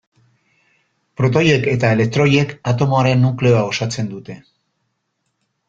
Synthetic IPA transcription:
pɾo̞t̪̬o̞je̞ke̞t̪aele̞k̚t̪ɾo̞je̞kat̪o̞moaɾe̞nːukle̞oao̞sat͡se̞nd̪ut̪e̞

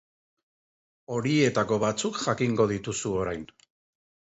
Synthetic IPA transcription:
o̞ɾie̞t̪ako̞βat͡sukʝakiŋɡo̞ð̞it̪usuo̞ɾajn

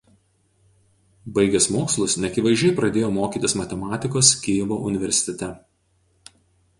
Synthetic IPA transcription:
bɐɪɡʲɛsmoːkslˠʊsnʲɛɐkʲɪʋɐɪʒʲɛɪpɾɐd̪ʲeːjoːmoːkʲiːˑt̪ʲɪsmɐt̪ʲɛmɑːt̪ʲɪkoːskʲeːʋoːʔʊnʲɪʋʲɛɾʲsʲɪ̥t̪ʲɛt̪ʲɛ

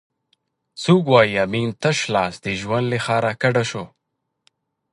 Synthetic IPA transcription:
t͡sukwɑjiamint̪əʃlɑsd̪əʒwand̪lexɑːɾakaɖaʃo

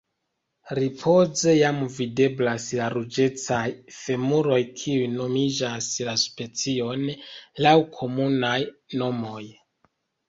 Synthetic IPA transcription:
ɾipʰo̞ze̞jamvide̞blaslaɾud͡ʒe̞t͡sajfemuɾo̞jkʰiujno̞mid͡ʒaslaspe̞t͡sio̞nlawkʰo̞munajno̞mo̞j

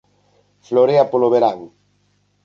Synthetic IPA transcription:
floɾeapoloβeɾaŋ

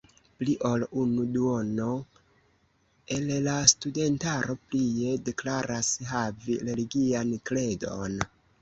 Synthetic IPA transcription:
pliʔo̞lunuduo̞no̞ | e̞llastude̞ntaɾo̞plie̞de̞klaɾasɦaviɾe̞liɡiankle̞do̞n

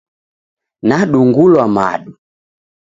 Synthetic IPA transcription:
naɗuŋɡulwama̰ɗu

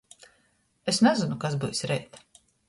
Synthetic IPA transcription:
esnɛzɪnukasbɨjsɾɛjt̪

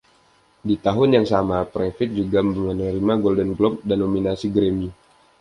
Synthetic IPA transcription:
dit̪aɦʊnjaŋsamapɾefɪt̪̚d͡ʒuɡammənəɾimaɡɔldənɡlɔp̚danːominasiɡɾemi

